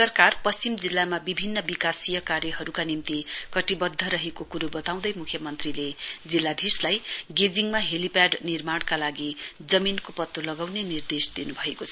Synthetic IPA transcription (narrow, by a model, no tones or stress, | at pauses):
sʌrkarpʌst͡simd͡zilːamabibʱinːʌbikasijʌkaɾjʌɦʌɾukanimt̪ikʌʈibʌd̪ʱːʌɾʌɦekokuɾubʌt̪aw̃d̪ʌjmukʰjʌmʌnt̪riled͡zilːad̪ʱislajɡed͡ziŋmaɦelipjaɖnirmaɽ̃kalaɡid͡zʌminkopʌt̪ːolʌɡawnenird̪esd̪inubʱʌekot͡sʰʌ